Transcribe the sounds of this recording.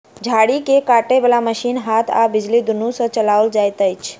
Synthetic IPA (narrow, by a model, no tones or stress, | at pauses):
d͡ʒʱaɽikekaʈeʋelaməʃinɦat̪ʰa̰bɪd͡ʒlid̪unũsə̃t͡ʃəlaʋəld͡ʒajt̪əjt͡ʃʰ